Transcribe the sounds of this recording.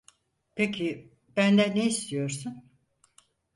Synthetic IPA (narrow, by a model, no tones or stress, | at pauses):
pʰecʰi | bænd̪ɛneist̪ʰijo̞ɾsun